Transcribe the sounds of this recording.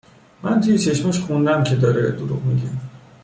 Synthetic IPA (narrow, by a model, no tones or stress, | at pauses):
mænt̪ʰujet͡ʃʰeʃmeʃxund̪æmcʰe̞d̪ɒːɾed̪oɾuɣmiɟe